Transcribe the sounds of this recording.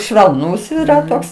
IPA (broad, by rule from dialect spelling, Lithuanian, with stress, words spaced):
ʃʲʋʲɛlˠˈnuːs iːˈrɐ ˈtoːks